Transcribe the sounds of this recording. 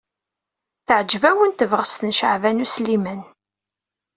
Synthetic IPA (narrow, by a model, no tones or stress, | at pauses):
θəʕd͡ʒvæwənt̪əvʁəst̪ənʃəʕvænuslimən